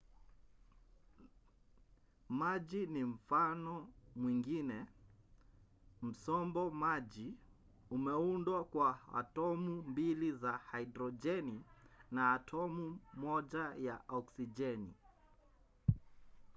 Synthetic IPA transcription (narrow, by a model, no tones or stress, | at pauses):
mad͡ʒinim̩fanɔmwiŋɡinɛ | m̩sɔmbɔmad͡ʒi | umɛundwakwaa̰tɔmumbilizahaidɾɔd͡ʒɛninaːtʰɔmumɔd͡ʒajaʔɔksid͡ʒɛni